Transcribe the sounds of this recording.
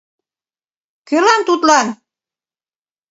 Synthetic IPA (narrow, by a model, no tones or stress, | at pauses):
kølɑnt̪ut̪lɑn